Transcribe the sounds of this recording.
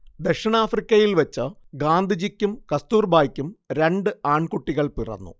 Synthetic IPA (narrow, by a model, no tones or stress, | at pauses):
d̪ekʂɐɳaːfrikʲːɐjilʋɐt͡ɕːɨ | ɡaːnd̪id͡ʑikʲːumkɐst̪uːrbʱaːjkʲːumɾe̞ɳɖɨaːɳkuʈːiɣɐɭpirɐ̰nːṵ